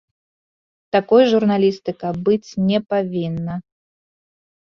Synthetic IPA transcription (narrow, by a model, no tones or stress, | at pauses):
t̪akɔjʐurnalʲist̪ɨkɐbɨt͡sʲnʲɛpavʲinːɐ